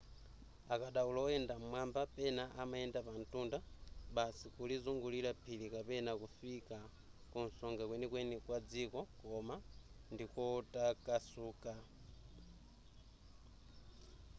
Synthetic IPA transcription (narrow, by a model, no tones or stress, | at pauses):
akaɗaulɔɔɛndam̩mwambapɛnaʔamaɛndapantʼundaɓasikulizuŋɡuliɾapʰilikapɛnakufika | kunsɔŋɡakwɛnikwɛnikwad͡zikɔkɔmandikɔtʼakʼasuːkʼa